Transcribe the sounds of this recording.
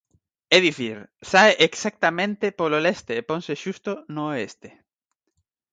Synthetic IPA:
eðiθiɾsaeʔeksak̚t̪amẽnt̪epololest̪eːpõnseʃust̪onoest̪e̥

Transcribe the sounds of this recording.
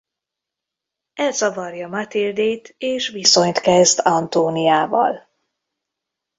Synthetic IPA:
ɛlzɒvɒrjɒmat̪ild̪eːt̪ʰeːʃʋiso̞ɲt̪kɛzd̪ɒnt̪oːnijaːvɒ̰l

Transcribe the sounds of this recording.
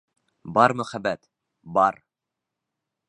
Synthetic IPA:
bɑɾmɵχæbːæt̪ | bɑɾ

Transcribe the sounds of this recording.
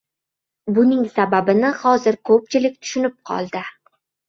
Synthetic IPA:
bʊnɪŋsababɪnɪhɒzɪɾkʰɵp̚t͡ʃʰɪlɪk̚ʲt̪ʰʊ̥ʃʊnɪp̚qʰɒ̰lˠd̪ɪ

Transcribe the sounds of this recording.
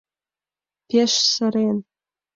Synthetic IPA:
pʲeʃsɨɾen

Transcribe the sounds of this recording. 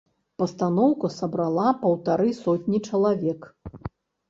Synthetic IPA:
pɐst̪anɔwkɐsɐbɾalˠapɐwt̪aɾɨsɔt̪ʲnʲit͡ʂɐlˠavʲɛk

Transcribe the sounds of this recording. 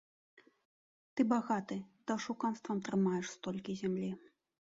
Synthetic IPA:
t̪ɨbaɣat̪ɨd̪̥ɐʂukanst̪vɐmt̪ɾɨmajɛʂst̪ɔlʲkʲizʲamlʲi

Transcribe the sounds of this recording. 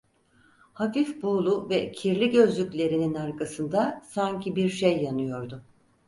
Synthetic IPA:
hafifboːlˠuvɛcʰiɾlʲiɟø̞zlʲycʲlʲe̞ɾininaɾkasɯnd̪asaɲcʰibiɾʃejːanɯjo̞ɾd̪ʊ

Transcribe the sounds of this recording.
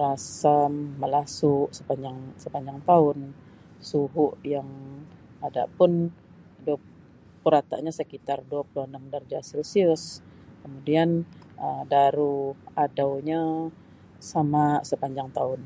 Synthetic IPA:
rasamːəlasuʔsəpaɲd͡ʒaŋsəpaɲd͡ʒaŋt̪aʊn | suɦʊʔjaŋ | ada̰ʔpʊn | dua | pəɾat̪a̰ʔɲasəkit̪arduapəluanaŋdard͡ʒasɛlsiʊskəmudianəmdaɾuadawɲa | samasəpaɲd͡ʒaŋt̪aʊn

